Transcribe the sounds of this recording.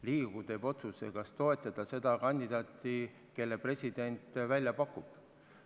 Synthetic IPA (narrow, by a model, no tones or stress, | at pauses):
liːɡ̥ut̪e̞bo̞t̪susekɑst̪o̞e̞t̪ːˑɑd̪̥ɑse̞d̪̥ɑkɑnʲd̪id̪ɑːt̪ˑːi | ke̞lːe̞pre̞sʲid̪̥e̞nt̪vælʲjɑpɑkːˑub̥